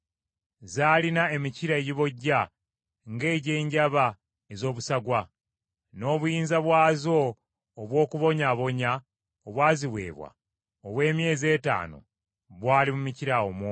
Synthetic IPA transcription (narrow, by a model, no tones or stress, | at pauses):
zaːlinae̞miciɾaeɟiβo̞ɟːa | ŋɡe̞ːɟe̞ːɲɟaβa | ezo̞ːβusaɡwa | no̞ːβujiːnzaβwaːzo̞ː | βwo̞ːkuβo̞ɲaβo̞ɲa | oβwaːziβwe̞̰ːβwa̰ | oβwe̞ːmje̞ːze̞ːta̰ːno̰ | βwaːlimumiciɾaomo